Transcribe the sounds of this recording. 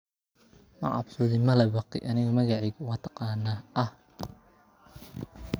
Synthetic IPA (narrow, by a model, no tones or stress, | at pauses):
mɐ̰ʕɑ̰bsɔðɪmɐlɐbɑqɪ̰ʔɐnɪɣɐmɐɣɑʕɪɣɐwɑt̪ʰɑ̥qɑːnːaʔɐh